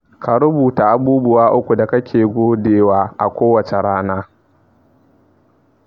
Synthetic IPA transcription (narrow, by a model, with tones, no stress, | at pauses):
kʰa˨ɾʊ˦buː˨ta˨ʔa˨buː˦bʊ˦waː˦ʔʊ˦kʷu˨da˨kɐ˦kʲeː˨ɡʷoː˦deː˨waː˦ʔa̰˨kʷoː˦wɐ˨t͡ʃe˨ɽaː˦naː˦